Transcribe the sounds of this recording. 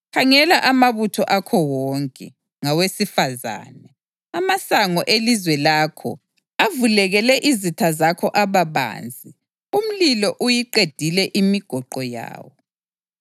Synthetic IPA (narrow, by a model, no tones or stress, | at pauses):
kʰaŋɛlaʔamaβutʰɔʔakʰɔwɔŋkʼɛ | ŋawesifaza̰ːnɛ | amasaŋɔʔelizwɛlaːkʰɔ̰ | avulɛɣɛlɛʔizitʰazakʰɔʔaβaβa̰ːnd͡zʱi | um̩lilɔʔujiǃed̥ʱilɛʔimiɡ̥ʱɔǃɔja̰ːwɔ